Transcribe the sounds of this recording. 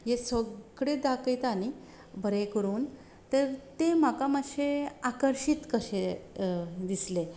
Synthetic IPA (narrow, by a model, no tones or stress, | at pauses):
jesəɡɽed̪akəjt̪ani | bʱəɾekəɾuːn | t̪əɾt̪emakamaɕeakəɾɕit̪kəɕe | d̪isle